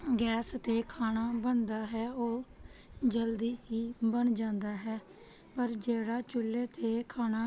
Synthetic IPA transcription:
ɡɛːst̪eːkʰaːnaːbənd̪aːɦɛːoː | d͡ʒəld̪iːɦiːbənd͡ʒãːnd̪aːɦɛː | pəɾd͡ʒeːɽaːt͡ʃʊlːeːt̪eːkʰaːnaː

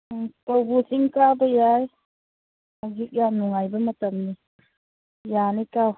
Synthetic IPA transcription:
kawbusiŋkabəjaj | mazik̚januŋajbɐmɐtəmni | janikaw

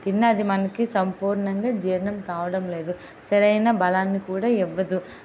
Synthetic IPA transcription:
t̪inːɐːd̪imɐnɐkisɐmpuːɾɳɐŋɡaːd͡ʒiːɾnɐmkaːʋɐɽɐmle̞ːd̪u | sɐɾɐjnɐbɐlaːnːikuːɽaːɛʋːɐd̪u

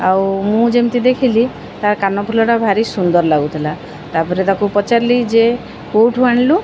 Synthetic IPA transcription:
awmũd͡ʒemt̪id̪ekʰili | t̪aɾkanɔpʰulɔʈabʱaɾisund̪ɔɾlaɡut̪ʰila | t̪apɔɾet̪akupɔt͡ʃaɾlid͡ʒe | koʈʰuaɳ̃lu

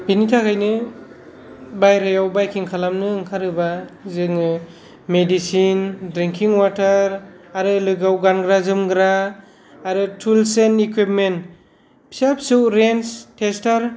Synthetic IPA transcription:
binitʰakʰajnɯ | bajɾajawbajkʰiŋkʰalamnɯːŋkʰaɾɯbazɯŋɯ | medisindɾiŋkʰiŋwataɾaɾɯlɯɡawɡanɡɾazɯmɡɾaː | ɾɯtʰulsenikwip̚ment | pʰsap̚suwɾenstʰestaɾ

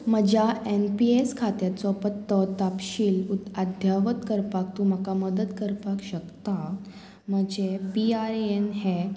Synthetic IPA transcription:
məd͡ʑjaenpieskʰat̪jat̪t͡sɔpət̪ːɔt̪apɕiːlut̪ad̪ʱjaʋət̪kəɾpak̚t̪ũm̤əkaməd̪ət̪kəɾpakɕəkt̪a | m̤əd͡ʑepiaɾenɦe

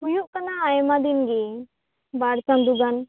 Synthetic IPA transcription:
ujuʔkanaːjmad̪inɡi | baɽsãmd̪uɡan

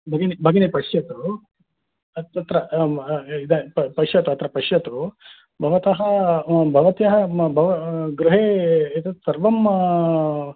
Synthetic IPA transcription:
bʱɐɡɐnebʱɐɡɐnepɐʂjɐt̪u | ɐt̪ɐt̪ɾɐ | id̪ɐpɐʂjɐt̪uɐt̪ɾɐpɐʂjɐt̪u | bʱɐʋɐt̪ɐɦɐbʱɐʋɐt̪jɐɦɐbʱɐʋɐɡɾuɦeːɐt̪ɐsɐɾʋɐm

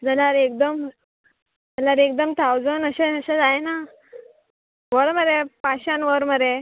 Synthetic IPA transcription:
d͡zəlaɾek̚d̪əm | d͡zəlaɾek̚d̪əmt̪ʰawd͡zənəɕeəɕed͡zajena | ʋəɾməɾepaɕanʋəɾməɾe

